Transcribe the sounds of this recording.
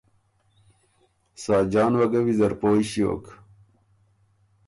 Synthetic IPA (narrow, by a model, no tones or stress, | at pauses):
saːd͡ʑaːnwɐɡɐwizɐɾpoːiɕio̰ːk